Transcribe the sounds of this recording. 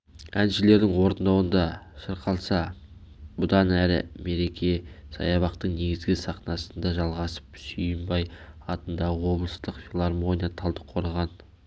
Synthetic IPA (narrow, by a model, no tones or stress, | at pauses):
ænʃɪle̞ɾd̪ɪŋwo̞ɾənd̪ɑwənd̪ɑʃəɾqʰɑlˠsɑ | bʊd̪ɑnæɾɪ̰me̞ɾe̞kʲʰe̞sɑ̰jɑβɑqt̪əɴne̞ɡʲɪzɡʲɪsɑχnɑsənd̪ɑʒɑlˠʁɑsə̥psʏjəmbɑjɑt̪ənd̪ɑʁəwo̞blˠəst̪əqfʲilˠarmo̞nijat̪ʰɑlˠd̪əqʰːo̞ɾɑʁɑn